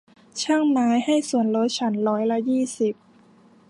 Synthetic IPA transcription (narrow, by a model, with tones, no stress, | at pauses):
t͡ɕʰa˥˩ŋmaː˦˥jha˥˩jsu˨˩ənɾo˦˥t̪̚t͡ɕʰa˦˥nɾɔː˦˥jla˧˥jiː˥˩si˨˩p̚